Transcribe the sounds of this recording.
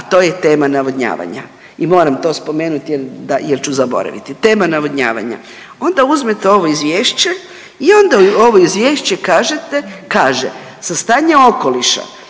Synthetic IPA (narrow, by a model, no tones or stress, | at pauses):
at̪o̞ːje̞t̪e̞ːmanaʋod̪ɲa̰ːʋa̰ɲa̰ | imo̞ːɾamt̪o̞ːspo̞me̞ːnut̪jeld̪ajelt͡ɕuzabo̞̰ɾa̰ʋḭt̪it̪e̞ːmanaʋoɲa̰ːʋa̰ɲa̰ | o̞nd̪auzmet̪eo̞ʋoizʋjeːʃt͡ɕe | io̞nd̪ao̞ʋo̞izʋje̞ːʃt͡ɕe̞kaːʒe̞t̪ekaːʒḛ | sast̪aːɲeo̞ko̞liʃa̰